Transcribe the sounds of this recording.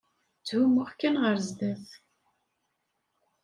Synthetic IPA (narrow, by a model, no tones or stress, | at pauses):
t͡sːhumʊʁkːænʁəɾzd̪æθ